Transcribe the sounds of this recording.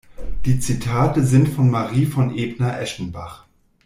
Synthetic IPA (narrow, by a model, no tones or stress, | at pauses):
d̥iːt͡sitʰaːtəzɪntfɔnmaʁiːfɔnʔeːbnɐʔɛʃn̩baχ